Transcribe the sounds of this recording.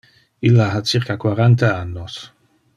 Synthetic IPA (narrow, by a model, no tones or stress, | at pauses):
ilːaɦat͡siɾkakwaɾant̪aanːos